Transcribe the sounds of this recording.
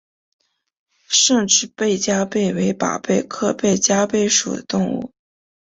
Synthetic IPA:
ʂɤ˥˧ŋʈ͡ʂɻ̩˥˧pe˥˩ɪt͡ɕja˥pe˥˩ɪwe˧˥ɪpa̰˨˩pe˥˧ɪkʰɤ˥˧pe˥˩ɪt͡ɕja˥pe˥˩ɪʂṵ˨˩d̪ə˦t̪ʊ˥˧ŋṵ˥˩

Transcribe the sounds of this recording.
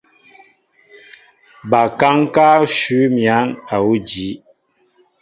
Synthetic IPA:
ba˨ka˦ŋ˦ka˦ʃʉ˨˦mja˨˦ŋa˨wu˦d͡ʒi˨˦

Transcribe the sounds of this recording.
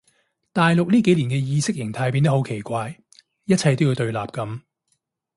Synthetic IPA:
t̪aː˨jlʊ˨k̚liː˥ke˨˥jliː˨˩nkɛː˧jiː˧sɪ˥k̚jɪ˨˩ŋt̪ʰaː˧jp̬iː˧nt̪ɐ˥ho˨˥wkʰe˨˩jkʷaː˧j | jɐ˥t̚t͡sʰɐ˧jt̪o˥wji˧wt̪ɵ˧ɥlaː˨p̚kɐ˨˥m

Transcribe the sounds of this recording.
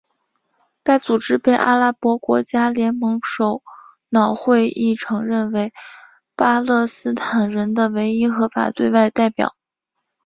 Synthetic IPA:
ka˥˩ɪt͡su˨˩ʈ͡ʂɻ̩˥pe˥˩ɪʔa̰˥la˥pwɔ˧˥kwɔ˧˥t͡ɕja˥ljɛ˧˥nmɤ˧˥ŋʂo˨˩ʊ | nɑ˨˩ʊxwe˥˧ɪi˥˩ʈ͡ʂʰɤ˧˥ŋɻə˥˩nwe˧˥ɪ | pa˥lɤ˥˩sɹ̩˥t̪ʰa˨˩nɻə˧˥nd̪ə˧we˧˥ɪi˥xɤ˧˥fa̰˨˩t̪we˥˧ɪwa˥˧ɪt̪a˥˩ɪpjɑ̰˨˩˦ʊ

